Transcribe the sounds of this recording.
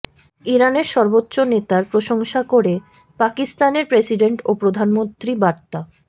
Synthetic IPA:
iɾaneɾʃɔɾbotːɕonet̪aɾpɾoʃoŋʃakoɾe | pakist̪aneɾpɾesiɖeɳʈopɾod̪ʱanmont̪ɾibaɾt̪a

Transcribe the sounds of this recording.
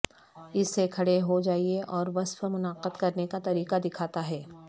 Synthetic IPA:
ɪsːekʰɐɽeɦod͡ʒaːieʔɔːɾʋɐsfəmʊnaːqəd̪kɐɾnekat̪ɐɾiːqad̪ɪkʰaːt̪aɦɛː

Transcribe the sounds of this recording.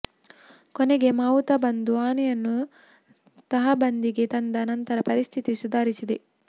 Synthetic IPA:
koneɡemawut̪ɐbɐnd̪uaːnɛjɐnːu | t̪ɐɦɐbɐnd̪iɡet̪ɐnd̪ɐːnɐnt̪ɐɾɐpɐɾist̪ʰit̪isud̪ʱaːɾisid̪e

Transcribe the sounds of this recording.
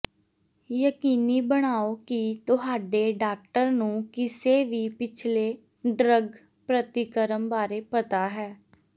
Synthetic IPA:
jəkiːniːbəɽ̃aːoːkit̪ʊɦaːɖeːɖaːk̚ʈəɾnũːkɪseːʋiːpɪt͡ʃʰleː | ɖɾəɡ | pɾət̪ɪkəɾəmbaːɾeːpət̪aːɦɛː

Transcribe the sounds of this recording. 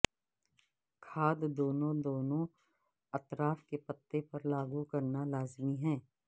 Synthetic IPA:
kʰaːd̪d̪oːnõd̪oːnõ | ɐt̪ɾaːfkepɐt̪ːepɐɾlaːɡukɐɾnalaːzmiɦɛ̃ː

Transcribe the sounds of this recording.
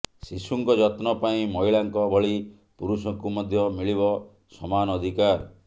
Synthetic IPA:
sisuŋkɔd͡ʒɔt̪nɔpaĩmɔiɭaŋkɔbʱɔɭi | puɾusɔŋkumɔd̪ʱjɔmiɭiβɔ | sɔmanːd̪ʱikaɾ

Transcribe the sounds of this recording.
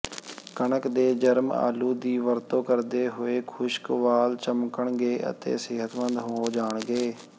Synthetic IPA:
kəɳəkd̪eːd͡ʒəɾma̰ːluːd̪iːʋəɾt̪õːkəɾd̪eːɦoːeːkʰʊʃkʋaːlt͡ʃəmkəɳɡeːə̰t̪ḛːsɪːɦət̪ʋə̃nd̪ɦoːd͡ʒaːɳɡeː

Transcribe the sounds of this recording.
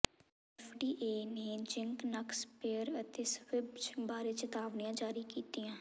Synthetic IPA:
ɛːfɖiːʔeːneːd͡ʒɪŋknəkspeɾət̪eːsʋɪbt͡ʃbaːɾeːt͡ʃət̪aːʋnijãːd͡ʒaːɾiːkiːt̪iːãː

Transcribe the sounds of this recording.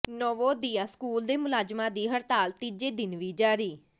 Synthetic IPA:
nɔːʋõːd̪iːaːskuːld̪eːmʊlaːd͡ʒmãːd̪iːɦəɾt̪aːlt̪iːd͡ʒeːd̪ɪnʋiːd͡ʒaːɾiː

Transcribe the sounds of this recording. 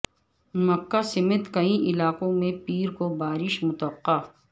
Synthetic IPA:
mɐkːasɪmet̪kɐĩʔɪlaːqõmẽpiːɾkobaːɾɪʃmʊt̪wəqːaː

